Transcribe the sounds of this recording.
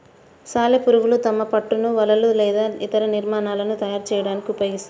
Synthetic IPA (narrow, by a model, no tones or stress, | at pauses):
saːlepuɾuʋulut̪ɐmɐpɐʈːunuʋɐlɐlulɛːd̪aːit̪ɐɾɐniɾmaːnaːlɐnut̪ɐjaːɾt͡ʃɛːjɐɽaːnikiupɐjɡist̪